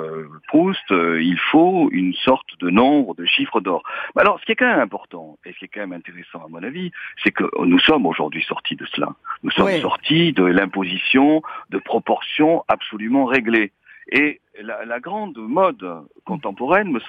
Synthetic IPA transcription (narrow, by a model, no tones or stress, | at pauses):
pχust̪øilfoynsɔʁt̪d̪ənɔ̃bʁəd̪əʃifχəd̪ɔːʁmɛalɔʁsə̥kiɛkɑ̃mɛmɛ̃pɔʁt̪ɑ̃esə̥kʲiɛkɑ̃mɛmɛ̃t̪eʁɛsɑ̃amɔ̃navisɛkə̰nusɔmoʒṵʁd̪ɥisɔʁt̪ʰid̪əsəla̰nusɔmsɔʁt̪ʰid̪əlɛ̃pozisjɔ̃d̪əpχɔpɔʁsjɔ̃apsɔlymɑ̃ʁeɡle | e | lalaɡʁɑ̃d̪mɔd̪ | kɔ̃t̪ɑ̃pɔʁɛnməs